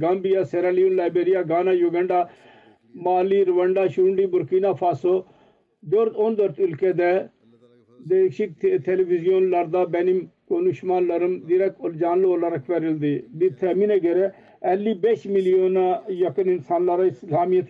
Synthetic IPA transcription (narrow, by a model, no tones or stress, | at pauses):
ɡambijaːseːɾaːliːonlaːjbɾeːɾɪjaːɡaːnaːjuɡəɳɖaː | maːliːɾəʋəɳɖaːʃuɳɖiːbʊɾkiːnaːpʰaːso | d͡ʒ̪oɾoːnd̪əɾt̪ʊlkeːd̪ɛː | d̪eːkʃikt̪ʰt̪ʰeːlebɪzɪjonlɐɾd̪aːbɛnimkoːnuːʃmaːnləɾəmd̪iɾɛkold͡ʒaːnloːlaɾəkʰʋɛːɾɪld̪eːd̪ɪt̪ʰɛːmineːɡeɾe | ɛːlːiːbeːʃmɪlijoːnaːjəkənɪnsaːnlaɾaɪslaːmɪjət̪